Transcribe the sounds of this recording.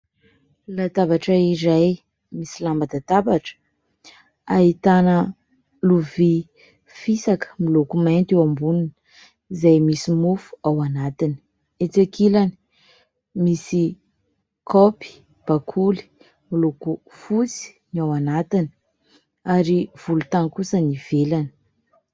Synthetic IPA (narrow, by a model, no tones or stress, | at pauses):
lat̪abaʈ͡ʂəiɾaj | misilambad̪at̪abaʈ͡ʂə̥ | aɦit̪anə | luvi | fisakə̥milokument̪ewambunin | zajmisimufu̥awanat̪ini̥ | et͡sakilani̥ | misi | kʰɔpi̥ | b̥akʰuli̥ | miloku | fut͡si̥ | nawanat̪ini̥ | aɾiv̥ulut̪aŋkusəniv̥elani̥